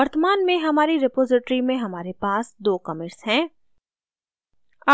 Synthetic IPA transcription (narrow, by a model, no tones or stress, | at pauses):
ɐɾt̪əmaːnmẽɦɐmaːɾiɾɪpoːzɪʈɾimẽɦɐmaːɾepaːsd̪oːkɐmɪɾsɦɛ̃ː | a